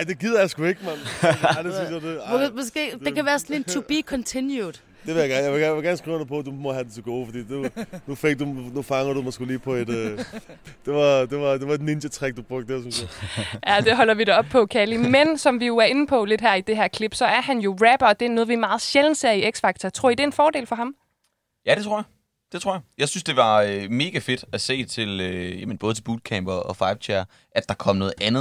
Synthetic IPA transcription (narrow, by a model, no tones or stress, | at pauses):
aɪd̥e̝ɡ̥ið̰ˠɐjasɡ̥ue̝ɡ̥əmɑdesynsjad̥emɔsɡ̥e̝̰ːd̥ekæʋæːɐsɔnlent͡sʰub̥ikʰɒnt͡sʰinjud̥ | d̥eʋejaɡ̥æɐnjaɪʋe̝ɡæɐʋeɡ̥æɐnəsɡ̥ʁiʊ̰npʰɒ̽d̥umɒ̽hæd̥ent͡sʰe̝ɡ̥o̝ːfɒd̥ḭːd̥unufeɡ̥̚d̥unufɑ̈ŋɐɾ̥umɒsɡ̥e̝̰liːpʰɒ̽e̝d̥ | d̥e̝ʋɑ̈d̥e̝ʋɑ̈d̥e̝ʋɑ̈e̝dninɕɐt͡sʰʁɛɡ̥̚d̥ub̥ʁɔ̽ɡ̥̚d̥deɐsynsjæjæd̥e̝ɦɒ̽l̰ɐʋiɾɑɒ̽b̥̚pʰɒ̽kʰælimensɒ̽mʋijo̝æɐe̝n̩pʰɒ̽le̝d̥ɦæɐ̰id̥e̝ɦæɐ̰kʰle̝b̥sɒ̽æɐɦænjo̝ʁæb̥ɒ̽d̥eno̽ːð̩ˠʋimɑ̈ːð̞̩ˠɕeln̩se̝ɐ̰ieɡ̥sfɑ̈ɡ̥̚t͡sʰɐt͡sʰʁo̝ɐid̥e̝nfɒːɾ̥e̝̰ːlfɒ̽ɦɑ̈m | jæd̥e̝t͡sʰʁo̝ɐ̰jɑ | d̥e̝t͡sʰʁo̝ɐjɑjɑ̈ɪsynsd̥e̝ʋɑ̈øme̝ːɡ̥æfe̝d̥æse̝̰ːt͡sʰe̝løjæmenb̥ɔ̽ðˠt͡sʰe̝buːd̥̚kʰæmb̥ɐʔɒ̽fɑ̈ɪb̥t͡ɕʰeɐ | ʔæd̥ɑ̈kʰɒ̽m̰nɔ̽ːð̩ˠænð̞̩ˠ